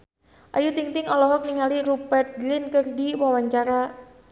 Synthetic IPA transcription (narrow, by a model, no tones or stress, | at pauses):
ʔa̰jut̪iŋt̪ɪŋɔlɔɦɔk̚niŋaliɾubɛrt̪̚ɡlɪnkərdiwawaɲt͡ʃaɾa